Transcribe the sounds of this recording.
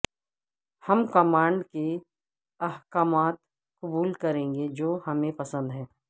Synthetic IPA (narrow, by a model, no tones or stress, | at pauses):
hɐmkɐmaːɳɖke | ɐɦkaːmaːt̪ | kʊbuːlkɐɾẽːŋɡed͡ʒoːhɐmẽpɐsə̃nd̪ɦɛː